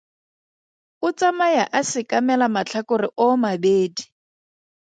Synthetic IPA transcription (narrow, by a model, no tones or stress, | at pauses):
ʊt͡samajaʔasɪkamɛlamat͡ɬʰakʊrɪʔɔmabeːdi